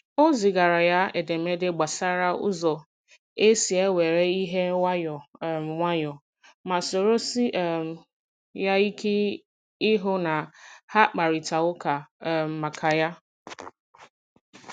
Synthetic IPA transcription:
o˦zi˨ɡa˨ɾa˨ja˦e˨de˨me˦de˦ɡ͡ba˨sa˦ɾa˦ʊ̰˦zɔ˨ | e˦si˨e˦we˨ɾe˦i˦ɦe˦wʷa˦jɔ˨ŋʷa˦jɔ˨ | ma˨so˨ɾo˦si˦ʔm˨ | ja˦i˦ke˦ | ɪ˦ɦʊ˦na˨ha˦k͡pa˨ɾi˨ta˨ʊ˦ka˨m̩˨ma˨kʰa˨ja˦

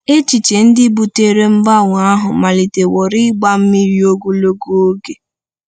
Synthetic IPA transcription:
e˦t͡ʃi˨t͡ʃe˨n̩˦dɪ˦bu˨te˦ɾe˦m̩˦ba˦˨ŋʷ˨a˦ɦʊ˨ma˨li˨te˨wɔ˨ɾi˦ɡ͡ba˦m̩˦mi˦ɾi˦o˦ɡu˦lo˦ɡu˦o˦ɡe˨

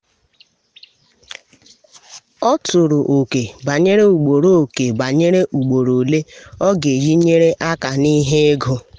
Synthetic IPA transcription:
ɔ˦tʊ˨ɾʊ˨ʔo˨ke˨ba˨ɲe˦ɾe˦u˨ɡ͡bo˨ɾo˦˨o˨ke˨ba˨ɲe˦ɾe˦ʔu˨ɡ͡bo˨ɾo˨le˦ɔ˦ɡe˨ji˦ɲe˦ɾe˦ʔa˦ka˨ni˦ɦe˦ɡʊ˦

